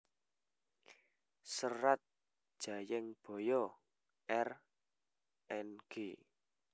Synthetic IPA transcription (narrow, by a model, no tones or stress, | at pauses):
səɾat̪̚ | ʒ̥a̤jɪŋb̥ɔ̤jɔ | ʔɛr | ʔɛnɡ̥e